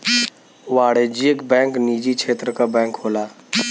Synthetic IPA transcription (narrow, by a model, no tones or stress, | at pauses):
ʋaːɽed͡ʒiəkbɛ̃ːŋkniːd͡ʒikʃʰeːt̪ɾəkabɛ̃ːŋkɦoːlaː